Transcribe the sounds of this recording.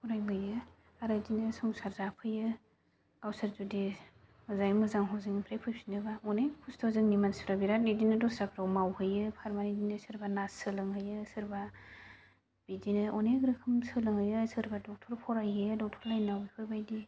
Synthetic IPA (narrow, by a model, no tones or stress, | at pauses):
pʰɔɾajbɯjɯ | aɾadinɯsɔmsaɾzapʰɯjɯ | ɡawsɯɾzudi | mɯzajmɯzaŋɦawzɯŋipʰɾajpʰɯjpsi̥ndɯbaɔnepʰustʰɔzɯŋnimansɾabiɾatnidinɯdɔsɾakʰɾawmawhɯjɯpʰaɾmanidinɯsɯɾbanasɯlɯŋɦɯjɯsɯɾba | b̥idinɯʔɔneɡɾɯkʰɯmsɯlɯŋhɯjɯsɯɾbadɔk̚tʰɔɾpʰɔɾajɯdɔk̚tʰɔɾlajnawbipʰɯɾbajdi